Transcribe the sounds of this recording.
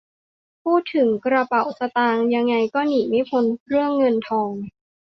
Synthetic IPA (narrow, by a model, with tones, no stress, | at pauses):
pʰuː˥˩t̪ʰːɯ˩˦ŋkɾa˧pa˨˩wsa˧t̪aː˧ŋja˧ŋːa˧jkɔː˥˩niː˨˩˦ma˥˩jkʰo˧nɾɯ˥˩əŋːɤ˧nt̪ʰɔː˧ŋ